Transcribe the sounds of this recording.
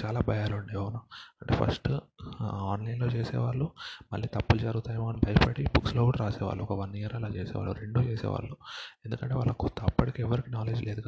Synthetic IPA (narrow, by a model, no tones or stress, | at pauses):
t͡ʃaːlaːbʱɐjaːluɳɖeʋʋunaːɐɳʈḛːpʰɐ̰sʈ | aːnlɐjnlo̞ːt͡ʃeːsɛ̰ːʋaːɭːumɐlːiːt̪ɐpːulud͡ʒɐɾuɡut̪aːjɐmoːnibʱɐjɐpɐɽibukslokuːɽɐɾaːsɛːʋa̰ːɭːuɔkɐʋɐnːiɾaɐlaːt͡ʃeːsɛ̰ːʋa̰ːɭuɾe̞ɳɖuːt͡ʃeːsɛ̰ːʋa̰ːɭːue̞nd̪ukɐɳʈeːʋaːɭːɐkut̪ːɐpːɐʈikiɛʋɐɾikiːnaːle̞ːd͡ʒleːd̪ukɐ